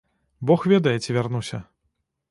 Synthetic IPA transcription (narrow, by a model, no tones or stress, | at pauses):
bɔxvʲɛd̪ɐjɛt͡sʲivʲarnusʲɐ